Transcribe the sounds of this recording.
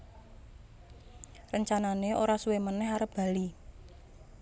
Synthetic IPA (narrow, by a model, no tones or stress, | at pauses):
rəɲt͡ʃananeoɾasuwemənɛɦaɾəpb̥a̤li